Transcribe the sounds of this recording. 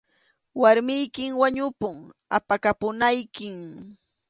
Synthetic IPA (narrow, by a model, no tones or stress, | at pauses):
waɾmɪjkɪŋwaɲʊpʊŋa̰pakapʊnajkɪŋ